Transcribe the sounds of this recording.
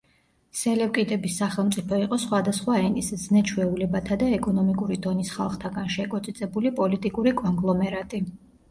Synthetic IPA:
sɛlɛwkʼid̪ɛbisːaχɛlˠmt̪sʼipʰɔiqʼɔsχwad̪asχwaɛnisznɛt͡ʃʰwɛulɛbat̪ʰad̪aɛkʼɔnɔmikʼuɾid̪ɔnisχalˠχt̪ʰaɡanʃɛkʼɔt̪sʼit̪sʼɛbulipʼɔlit̪ʼikʼuɾikʼɔŋɡlˠɔmɛɾat̪ʼi

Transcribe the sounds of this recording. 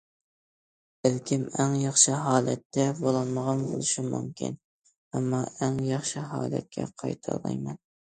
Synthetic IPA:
b̥ɪlkʲʰɪmæŋjɑχʃɪɦɑːlˠɛt̪ʰːɛbolˠɑnmɑʁɑnbo̰lˠɨʃɪmṵmkʲʰɪ̰n | æmːɑʔæŋjɑχʃɪɦɑ̰ːlˠɛ̰t̪̚kʲʰɛ̰qʰɑ̰jt̪ʰɑ̰lˠɑ̰jmɛn

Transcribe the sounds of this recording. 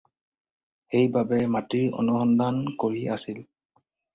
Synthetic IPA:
xejbabɛmatiɹɔ̰nuxɔndankoɹiʔasil

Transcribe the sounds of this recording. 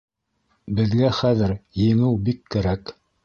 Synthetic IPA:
bɘ̆ðɡæχæðɘɾjɘ̆ŋɘwbikːæɾæk

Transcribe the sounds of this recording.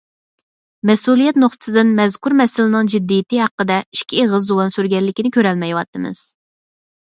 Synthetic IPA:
mɛsulˠijɛt̪̚noχt̪ʰɨ̥sɨd̪ɪnmɛzkuɾmɛsɪlɪnɨŋd͡ʒid̪ːijɪt̪ɨhɑqːəd̪ɛi̥ʃkʲieʁəzːuwɑnsyɾɡʲɛlːɪkʲinɪkʲøɾɛlmɛjwɑt̪ʰːɨmɨ̰z̥

